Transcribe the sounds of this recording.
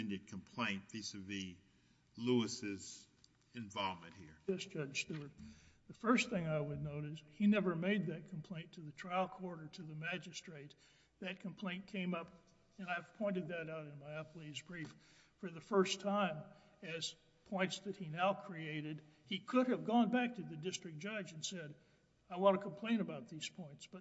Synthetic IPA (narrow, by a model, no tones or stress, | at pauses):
ndɨd̚kʰə̃m̩pʰl̥ẽɪ̃npʰisʌvi | luəsɪz | ɨ̃ɱvɑlˠmɨ̰̃nt̚hiɹʌsd̥ʒ̥ʌd̥ʒ̥stʉə˞t̪̚ðɨfɜ˞sθɪ̃ŋaɪwɨdⁿnoʊɾɨshinɛvə˞meɪd̪̚ðɨt̚kʰm̩pʰl̥ẽɪ̃ntʰɨðɨtʰɹ̥aɪl̩ˠkʰɔɹɾə˞ɾɨðɨmæd͡ʒɨstɹ̥eɪt̪̚ | ðɨt̚kʰm̩pʰl̥ẽɪ̃nkʰẽɪ̃mʌp | ɨ̃naɪv̥pʰɔ̃ɪ̃ñɨd̪̚ðɨɾaʊɾɨ̃nmaɪʌpl̩izbɹif | fə˞ðɨfɜ˞stʰãɪ̃m | ɨz̥ | pʰɔ̃ɪ̃ntsðɨt̚hinaʊkʰɹ̥ieɪɾɨd̚ikʰʊɾɨvɡɔ̃nbæk̚tʰɨðɨdɪstɹ̥ɨk̚d̥ʒ̥ʌd͡ʒɨ̃n̩sɛɾ | aɪwɑ̃ntɨkʰm̩pʰl̥ẽɪ̃ñɨbaʊt̪̚ðiz̥pʰɔ̃ɪ̃ntsb̥ʌt̚